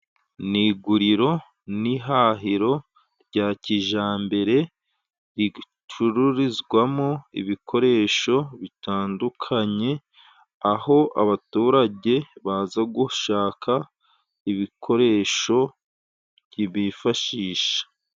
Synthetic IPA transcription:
niɡuɾiɾo̞ | niɦaɦiɾo̞ | ɾɟaːciʒaːmbe̞ɾe̞ | ɾi | t͡ʃuɾuɾizɡwamoḭβikʰo̞ɾe̞ːʃo̞βitaːndukʰaɲe̞ | aho̞ʔa̰βatuːɾaɟe̞βazaɡuʃaːkʰa | iβikʰo̞ɾe̞ːʃo̞ | ɟiβifaʃiːʃḁ

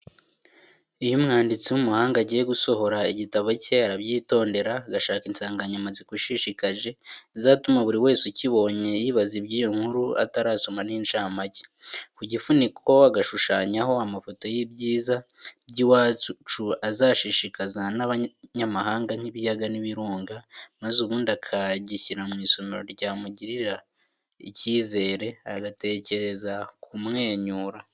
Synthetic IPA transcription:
ijomŋaːndit͡siwumuhaːŋɡaɟije̞ɡuso̞ho̞ɾaiɟitaβoceɾabɟiːto̞ːnde̞ɾaːɡaʃaːkinsaːŋɡaɲamazikuʃiʃikaʒe̞zaːtumaβuɾiwe̞ːsuciβo̞ɲe̞jiːβazibɟijoŋ̥huɾua̰taɾaːso̞maninʃaːmaci̥kuɟifunikʰo̞aɡaʃuʃaːɲaɦo̞amafo̞to̞jibɟiːzaɟiwaːt͡ʃuazaːʃiʃikazanaβaɲamaɦaːŋɡan̥iβijaɡaniβiɾuːŋɡamazuβuːndakʰaɟiciɾamŋiːso̞meɾo̞ɾɟaːmuɟiɾiɾa | ḭciːze̞ːɾe̞aɡate̞ce̞ɾe̞zakʰumŋe̞ːɲuːɾa

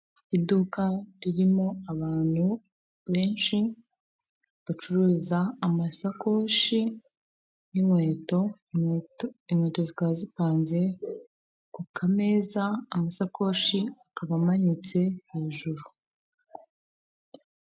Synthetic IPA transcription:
idukaɾiɾimo̞aβaːn̥hu | βe̞ːnʃi | βat͡ʃuɾuːzaːmasako̞ːʃi | nimwe̞ːto̞ | imwe̞ːto̞zikazipaːnze̞ | kukʰame̞ːzamasakʰo̞ːʃiakaβamaɲit͡se̞he̞ːʒuɾu

